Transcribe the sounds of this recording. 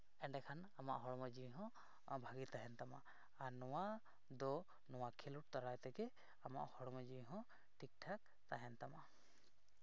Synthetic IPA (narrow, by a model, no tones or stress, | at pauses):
ɛɳɖɛkʰan | ama̰ʔɦɔɽɔmad͡ʒiɦɔ̃ | bʱaɡit̪aɦɛnt̪ama | aɾnɔwa | d̪ɔ | nɔwakʰiluʈ̚t̪aɾajt̪ɛɡɛ | ama̰ʔhɔɽɔmɔd͡ʒiɦɔ̃ | ʈʰik̚ʈʰak̚ | t̪aɦɛnt̪ama